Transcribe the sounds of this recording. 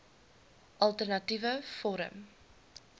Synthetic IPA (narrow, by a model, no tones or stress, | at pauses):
ʔɐlˠtərnɐtivəfɔɾə̰m